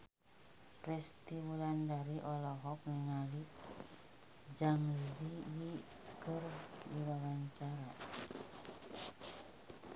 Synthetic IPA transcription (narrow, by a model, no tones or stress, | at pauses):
ɾɛst̪iwulandaɾiʔɔlɔɦɔk̚niŋali | d͡ʒamziji | kərdiwawaɲt͡ʃaɾa